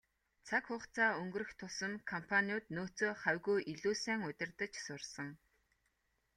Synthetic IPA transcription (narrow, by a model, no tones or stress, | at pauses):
t͡sʰakχʊχt͡sʰaːɵŋɡɵ̆ɾɘ̆xt̪ʰʊsə̆nkʰɔmpʰaniʊːt̪noːt͡soːχæwʲɣujʔiɮuːsæːŋʊt̪ʲɪ̆rt̪ə̆t͡ɕsʊrsə̆ŋ